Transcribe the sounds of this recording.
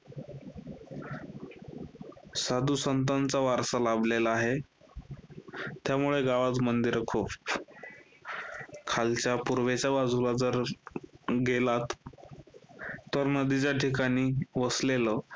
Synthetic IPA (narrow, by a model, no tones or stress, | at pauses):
sad̪usənt̪̬ant͡saʋaɾsəlablelaaɦe | t̪jamuɭeɡaʋat͡s̪mənd̪iɾkʰop | kʰalt͡ɕjapuɾʋet͡ɕjabad͡zʱulad͡zəɾ | ɡelat̪ | əɾnəd̪it͡ɕjaʈʰikaɽ̃iːʋəslelə